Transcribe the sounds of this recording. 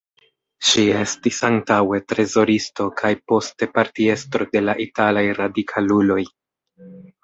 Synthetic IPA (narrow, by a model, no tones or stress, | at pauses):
ʃie̞stisaŋtawe̞tɾe̞zo̞ɾisto̞kʰajpo̞ste̞paɾtie̞stɾo̞de̞laʔitalajɾadikʰalulo̞j